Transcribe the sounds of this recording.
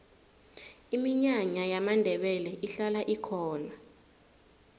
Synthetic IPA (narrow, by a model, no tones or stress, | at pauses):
imiɲaɲajamandʱɛɓɛlɛʔiɬalaʔikʰɔːna